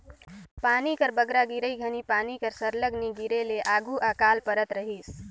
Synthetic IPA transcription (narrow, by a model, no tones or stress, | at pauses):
paːnikəɾbəɡɾaɡiɾəɡʱənipaːnikəɾsəɾləɡniɡiɾeleʔaːɡuʔakalpəɾət̪ɾəɦis